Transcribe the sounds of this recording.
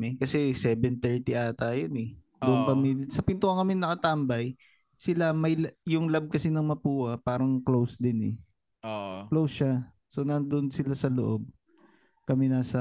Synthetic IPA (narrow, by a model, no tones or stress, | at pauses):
mɛkɐsɛsɛbɛnt̪ɛɹt̪iʔaːt̪ajonɛ | d̪ʊʔonkɐmɛsɐpɪnt̪oʔɐŋkɐmɛnːɐkɐt̪ambɐj | sɪlamɐjjʊŋlab̚kɐsinɐŋmɐpuːhɐpaːɾɐŋklowsd̪ɪnɛ̰ | oklowsʃa | so̞nɐnd̪onsɪlasɐlo̰ʔob̚ | kɐmɛnaːsɐ